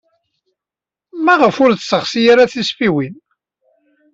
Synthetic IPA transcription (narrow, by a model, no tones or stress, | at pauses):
mæʁəfʊɾθsəχsijaɾaθisfiwin